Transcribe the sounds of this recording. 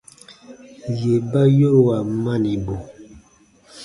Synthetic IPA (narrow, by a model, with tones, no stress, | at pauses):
je˨ba˦jo˦˨wa˨ma˦˨ni˨bo˨